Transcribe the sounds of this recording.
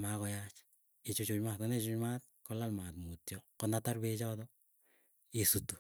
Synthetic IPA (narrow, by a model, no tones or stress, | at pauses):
makɔjat͡ʃ | it͡ʃut͡ʃut͡ʃmatɔnɛt͡ʃʊt͡ʃmaːt̚ | kɔlalmatmutjɔkɔnataɾbet͡ʃɔtɔ | isutu̥